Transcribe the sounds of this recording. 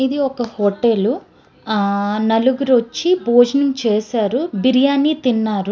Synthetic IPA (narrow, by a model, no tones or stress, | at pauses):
id̪iɔkɐhoːʈelu | nɐluɡuɾot͡ʃːiboːd͡ʒɐnɐŋt͡ʃeːsaːɾubiɾijaːnːit̪inːaːɾu